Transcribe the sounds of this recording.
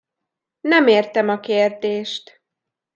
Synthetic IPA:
nɛmeːrt̪ɛmɒkeːrd̪eːʃt̪

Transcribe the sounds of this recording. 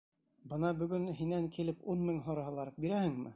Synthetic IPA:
bɤnɑbɵ̆ɡɵnɦinæŋkʰilɘpunmɘŋɦŏɾɑɦɤ̆lˠɑɾɤp̚biɾæhɘŋmɘ̰

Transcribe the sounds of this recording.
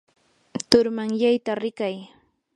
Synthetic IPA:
t̪ʊɾmaŋjajt̪aɾɪkaj

